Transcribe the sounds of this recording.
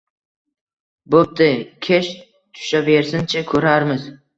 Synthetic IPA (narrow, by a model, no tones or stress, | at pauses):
bop̚d̪ɪkʲʰeʃ | t̪ʰʊ̥ʃabeɾsɪnt͡ʃʰakʲʰɵɾaɾmɪz